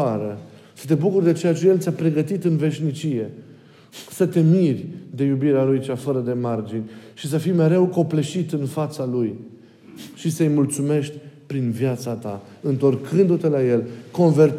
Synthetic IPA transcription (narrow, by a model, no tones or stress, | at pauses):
aɾə | sə̥t̪e̞bukurd̪e̞t͡ʃe̞jat͡ʃe̞je̞lt̪sʲjapɾe̞ɡət̪it̪ɨnve̞ʃnit͡ʃije̞ | sət̪e̞mirʲd̪e̞jubiɾeaɾujt͡ʃafəɾəd̪e̞mard͡ʒinʲʃisəfijme̞ɾe̞wko̞pleʃit̪ɨnfat̪saluj | ʃisəjmult̪sume̞ʃt̪ʲpɾinvjat̪sat̪a | ɨnt̪o̞rkʰɨnd̪ut̪e̞laje̞lko̞nve̞rt̪